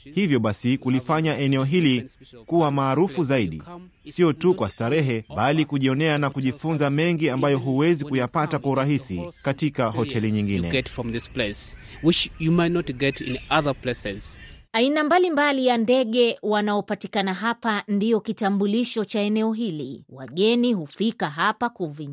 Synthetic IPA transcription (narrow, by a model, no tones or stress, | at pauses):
hivjɔɓasikulifaɲaʔɛnɛɔɦilikuwamaːɾufuzaiɗi | siɔtukwastaɾɛɦɛɓalikuʄiɔnɛanakuʄifunzamɛŋɡiambajɔɦuwɛzikujapatakwauɾaɦisikatikahɔtʰɛliɲiŋɡinɛ̰ɛtfɹɔ̃mðɪsples | wɪt͡ʃjumaɪtnɔtɡɛtɪ̰̃naðə˞plesɛz̥ | ainambalimbalijandɛɠɛwanaɔpatikanaɦapandiɔkitambuliʃɔt͡ʃaɛnɛɔɦilḭwa̰ɠɛniɦufikaɦapakuvi